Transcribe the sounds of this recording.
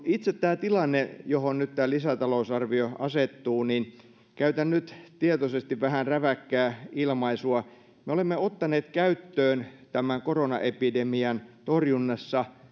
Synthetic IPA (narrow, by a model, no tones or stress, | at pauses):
it̪set̪t̪æːt̪ilɑnːejohonnyt̪t̪æːlisæt̪ɑlousɑrʋioɑset̪ːuːnin | kæyt̪ænnyt̪t̪iet̪osest̪iʋʋæhænræʋækːæːilmɑisuɑ | meolemːeot̪ːɑneːt̪kæyt̪ːøːnt̪æmæŋkoronɑ̰ʔepidemiɑnt̪orjunːɑsːɑ